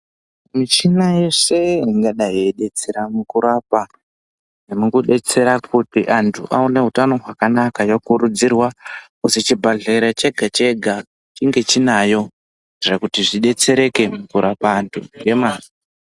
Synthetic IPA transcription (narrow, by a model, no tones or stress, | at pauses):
mit͡ʃinaje̞se̞iŋɡaɗaɦieɗe̞t͡se̞ɾamukuɾapa | nemukuɗe̞t͡se̞ɾakutiʔantʰṵʔaune̞ɦutano̞ɦwakanakajokuɾud͡zirwakusit͡ʃibʱaɮeiɾat͡ʃe̞ɡʱat͡ʃe̞ɡʱa | t͡ʃiŋɡe̞t͡ʃinajo̞ | irakutiʐiɗe̞t͡se̞ɾe̞ke̞mukuɾapaːntʰuŋɡe̞maːni